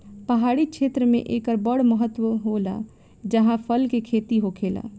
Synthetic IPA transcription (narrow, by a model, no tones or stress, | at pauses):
pəɦaɽit͡ʃʰet̪ɾəmḛ̃ʔekəɾbəɽməɦət̪ːwəɦola̰ | d͡ʒəɦãpʰəlkekʰet̪iɦokʰela̰